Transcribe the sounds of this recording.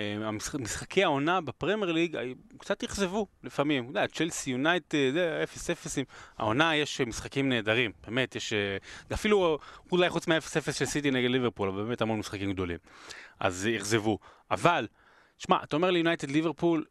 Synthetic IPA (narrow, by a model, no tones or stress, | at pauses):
eamismisχakʰeao̞nabepʁemjeʁliɡa̰jkt͡sat̪jiχzevulifamimud̪att͡ʃelsijunajt̪ezeefesefesima̰o̞najeʃmisχakimneːd̪aʁimb̥e̞ːme̞t̪jeʃɡafiluulajχut͡smeaefesefesʃelsit̪̬ineɡedliveʁpulavalbemet̪halmonmisχakimɡd̪o̞lḭmʔa̰zjiχze̞vuʔa̰val | ʃma̰ʔat̪aome̞ʁlejunajt̪ed̪liveʁpul